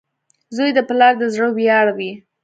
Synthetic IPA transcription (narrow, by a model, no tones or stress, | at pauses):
zojd̪əpɪlɑɾd̪əzɽəbjɑɽawi